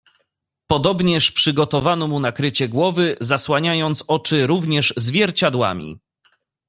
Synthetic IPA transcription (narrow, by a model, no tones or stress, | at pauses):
pɔd̪ɔbɲɛʂpʂɘɡɔt̪ɔvanɔmunakɾɘt͡ɕɛɡwɔvɘzaswaɲajɔnt̪sɔt͡ʂɘɾuvɲɛʐzvʲjɛɾt͡ɕad̪wa̰mʲḭ